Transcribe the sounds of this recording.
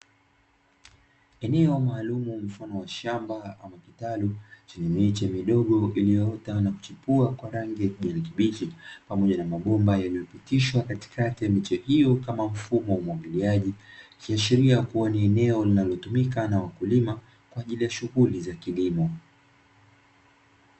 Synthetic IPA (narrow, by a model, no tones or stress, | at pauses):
ɛnɛɔmaːlumum̩fanɔwaʃambaamakitalut͡ʃiɲɛmɛt͡ʃɛmiɗɔɠɔilijɔɔtanaku̥t͡ʃipuakwaɾaŋɡiʄanikiɓit͡ʃipamɔʄanamaɓɔmbajalijɔpitiʃwakati̥kʰatimit͡ʃɛhijɔkamam̩fumɔwamwaɠiliaʄikiaʃiɾiakuwaniɛnɛɔlinalɔtumikanawakulima | kwaːʄilijaʃuɣulizakilimɔ